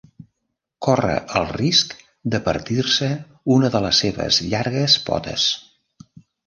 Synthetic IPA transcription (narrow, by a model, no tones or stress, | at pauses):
kɔrə̰ʔəlˠrisk | d̪əpə̰ɾt̪irsə | unəðələsːeβə̰zʎaɾɣəspɔ̰t̪ə̰s